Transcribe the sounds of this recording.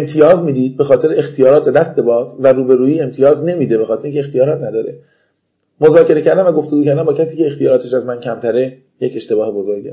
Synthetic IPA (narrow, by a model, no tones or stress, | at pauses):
emt̪ʰijɒːzmiːd̪iːd̪̚be̞xɒːt̪e̞ɾeext̪ʰijɒːɾɒːt̪̚bed̪æst̪e̞bɒːsvæɾuːbe̞ɾuːiːe̞mt̪ʰijɒːzne̞miːd̪ebe̞xɒːt̪eɾeiːŋcʰʲeext̪ʰijɒːɾɒːt̪ʰnæd̪ɒːɾe | mozɒːce̞ɾe̞cʰæɾd̪æmvæɡo̞ft̪eɡuːcʰæɾd̪æmbɒːcʰæsiːce̞ːxt̪ʰijɒːɾɒːt̪ʰeʃæzmæncʰæmt̪ʰæɾe̞ | jece̞ʃt̪e̞bɒːhe̞bo̞zoɾɟe